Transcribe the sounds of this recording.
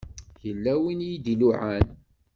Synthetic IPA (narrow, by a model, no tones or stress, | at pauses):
jəlːæwinjid̪iluʕæn